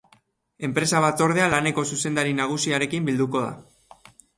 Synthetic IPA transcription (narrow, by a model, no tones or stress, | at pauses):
e̞mpɾe̞saβ̞at̪o̞ɾð̞e̞alane̞ko̞suse̞nd̪aɾinaɣ̞usiaɾe̞kimbild̪uko̞ð̞a̰